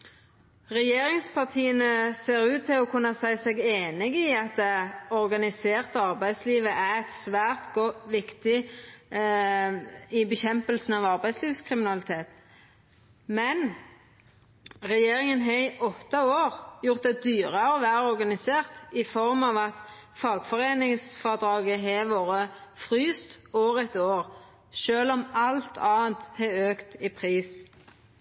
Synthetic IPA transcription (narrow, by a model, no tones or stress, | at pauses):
ʁɛjeːɾɪŋspʰɑʁt̪ʰiːənəseːɾʉːt̪ʰːɪlɔkʰʉnːɑsæɪsɛɡeːnɪɡɪɑt̪̚d̪ɛɔʁɡɑnɪseːʁt̪əɑʁbæɪd̪sliːʋəʔæɛt̪sʋæːʁt̪ɡɔʋɪkt̪ɪ | ɪbəçɛmpəlsn̩ɑʋɑʁbæɪsliːʋskʰʁɪmɪnɑlɪt̪ʰeːt̪ | mɛn | ʁɛjeːɾɪŋənɦɛʔɔt̪ːɑoːʁjʊʁt̪̚d̪ɛd̪yːʁəɔʋæːɾəɔɾɡɑnɪseːʁt̪ɪfɔɾmɑʋɑt̪ | fɑːɡfɔʁeːnɪŋsfɔʁd̪ɾɑːɡəɦɛʋoːɾəfʁyːst̪oːʋəʁɛt̪oːʁ | ʃøːlɔmɑlt̪ʰɑːnt̪hɛøːkt̪ɪpʰʁiːs